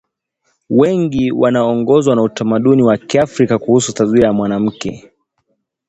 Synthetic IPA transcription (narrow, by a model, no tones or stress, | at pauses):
wɛŋɡiwʔanaːŋɡɔzwanautamaɗuniwakiafɾikakuhusutaziajamwanam̩kɛ̰